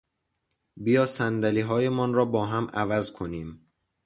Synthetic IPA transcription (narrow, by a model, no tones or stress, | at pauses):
bijɒːsænd̪æliːɦɒːjemɒːnɾɒːbɒːɦæmʔævæzkʰo̞niːm